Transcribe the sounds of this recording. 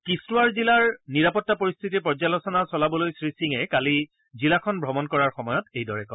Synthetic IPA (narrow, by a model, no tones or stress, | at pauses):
kistʊwaɹzilaɹniɹapɔtːapoɹist̪ʰitipɔɹzalɔsɔnasɔlabɔlojsɹisiŋɛkali | zilakʰɔnbʱɹɔmɔnkɔɹaɹxɔmɔjɔtejdɔɹɛkɔ